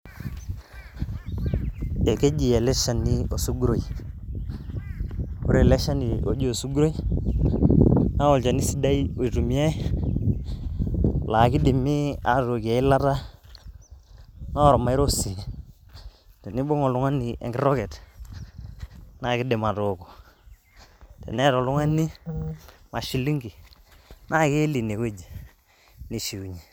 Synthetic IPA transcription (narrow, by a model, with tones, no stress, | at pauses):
e˨ke˦d͡ʒi˨e˨le˦ʃa˨nːi˦o˨su˦ɡu˦ɾo˨i˨ | o̰˦ɾe˨le˦ʃa˦ni˨o̰˨d͡ʒi˦o˨su˦ɡu˦ɾo˦i˦ | na˦o˨lt͡ʃa˨ni˦si˦da˦i˦o˨i˨tu˨mi˦a˦ | la˨ki˦di˨mːi˦a˨to˨ki˨a˨i˦la˦ta˦ | na˦ɾɔ˨ma˨i˦ɾo˦si˨ | tɛ˨ni˦bo˦ŋɔ˨lu˨ŋa˦ni˨ḛ˨ŋɡi˦ɾɔ˦kɛ˨t | na˦˨kɪ˦de˨ma˨to˨ko˨ | tɛ̰˨nɛ˦ɾɔ˨lu˦ŋa˦ni˦ | ma˨ʃi˨li˦ŋɡi˨ | na˦˨ke˦li˨ne˨ke˦d͡ʒi˨ | ni˨ʃi˨u˨ɲi˨